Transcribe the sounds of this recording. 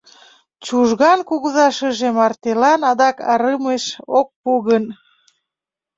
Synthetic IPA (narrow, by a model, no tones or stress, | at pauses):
t͡ɕuʒɣɑnkuɣuzɑʃəʒemɑrt̪elɑnɑd̪ɑkɑɾəmeʃok̚puɣən